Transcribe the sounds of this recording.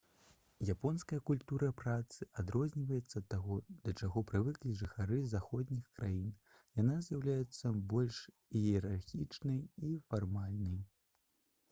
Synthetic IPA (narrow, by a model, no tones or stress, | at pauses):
japɔnskɐjɐkulʲt̪uɾɐpɾat̪sɨʔad̪ɾɔzʲnʲivɐjɛt̪sːɐt̪ːaɣɔd̪̥ɐt͡ʂaɣɔpɾɨvɨklʲiʐɨxaɾɨzaxɔd̪ʲnʲixkɾajin | jan̪azʲjawlʲajɛt̪sːɐbɔlʲʂ | iɛɾarxʲit͡ʂnɐjifarmalʲnɐj